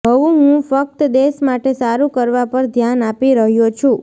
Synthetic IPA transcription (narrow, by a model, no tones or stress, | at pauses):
ɦəʋũɦũfək̚t̪d̪esmaʈesaɾũkəɾʋapəɾd̪ʱjanapiɾəɦjõt͡ʃʰũ